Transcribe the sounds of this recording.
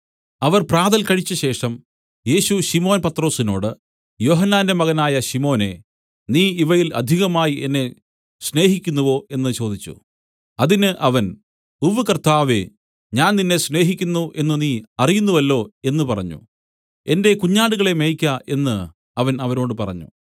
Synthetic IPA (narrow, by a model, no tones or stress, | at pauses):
ɐʋɐrpraːðɐlkɐɻit͡ɕːɨɕe̞ːʂɐm | je̞ːɕuɕimo̞ːnpɐt̪ro̞ːsino̞̰ːɽɨ | jo̞ːɦɐnːaːndemɐɣɐnaːjɐɕimo̞ːne̞̰ | niːiʋɐjilɐ̰d̪ʱiɣɐmaːjie̞nːe̞ | ɕne̞ːɦikʲːunːuʋo̞ʔe̞nːɨt͡ɕo̞ːd̪ʱit͡ɕːṵ | ɐðinɨʔɐʋɐn | uʋɨkɐrt̪aːʋḛ | ɲaːnninːe̞sne̞ːɦikʲːunːuʔe̞nːɨniːɐrijunːuʋɐlːo̞ːe̞nːɨpɐrɐɲːṵ | e̞nde̞kuɲːaːɽuɣɐɭe̞mejkʲːɐʔe̞nːɨ | ɐʋɐnɐʋɐɾo̞ːɽɨpɐrɐ̰ɲːṵ